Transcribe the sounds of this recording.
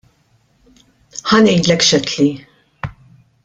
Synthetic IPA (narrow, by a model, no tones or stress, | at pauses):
ħɐnɛjd̪lɛkʃɛt̪ʰli